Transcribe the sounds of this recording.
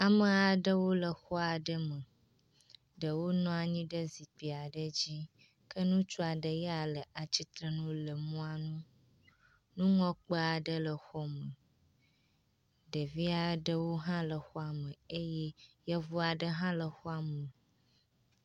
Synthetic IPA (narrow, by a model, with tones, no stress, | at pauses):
a˨mə˨a˨ɖə˦wo˦lə˨xɔ˦a˨ɖə˦mə˨ | ɖə˨wo˦nɔ̃˦a˨ɲĩ˦ɖə˦zi˨pi˨a˨ɖə˦d͡ʑi˦ | kə˦nũ˦t͡ʃu˦a˨ɖə˨jɛ˦a˨lə˨a˨t͡ɕi˦t̪ɾə˦nũ˦lə˨mũ˦a˨nũ˦ | nũ˦ŋɔ̃˦k͡pə˦a˨ɖə˦lə˨xɔ˦mə̃˨ | ɖə˨vi˦a˨ɖə˦wo˦ɦã˦lə˨xɔ˦a˨mə̃˨e˦jɛ˦je˦vɔ˦a˨ɖə˦ɦã˦lə˨xɔ˦a˨mə˨